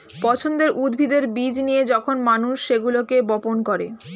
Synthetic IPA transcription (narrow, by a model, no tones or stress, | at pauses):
pɔt͡ɕʰond̪eɾʔud̪bʱid̪eɾbid͡ʑnijed͡ʑɔkʰonmanuʃːeɡulokebɔponkɔɾe